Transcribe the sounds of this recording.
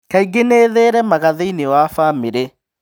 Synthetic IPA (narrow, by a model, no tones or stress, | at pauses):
kaiɡeneðeːɾɛmaɣaðeinewafameɾe